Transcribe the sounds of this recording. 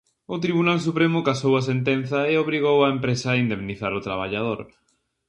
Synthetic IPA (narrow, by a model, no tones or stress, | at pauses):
ʊt̪ɾiβunals̬upɾemʊkasowɐs̬ent̪en̟θɐeoβɾiɣ̞owɐempɾesɐːind̪emniθaɾʊt̪ɾaβ̞aʎað̞oɾ